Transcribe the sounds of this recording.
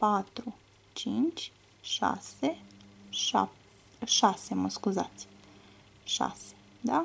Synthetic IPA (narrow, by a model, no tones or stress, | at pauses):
pat̪ɾu | t͡ʃint͡ʃ | ʃa̰seʃa̰ | ʃasemoskuza̰t̪sʲi̥ | ʃa̰se̥ | d̪a